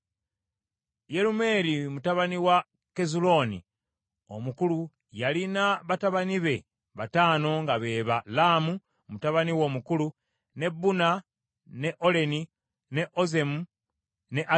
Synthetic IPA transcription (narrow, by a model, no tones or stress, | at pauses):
je̞ɾume̞ːɾimutaβaniwa | ke̞zulo̞nḭ | o̞̰mukulu | jalinaβataβaniβe̞ | βataːno̞ŋɡaβe̞ːβalaːmu | mutaβaniwo̞ːmukulu | ne̞buna | ne̞ʔo̞le̞ni | ne̞ʔo̞ze̞mu | ne̞ʔa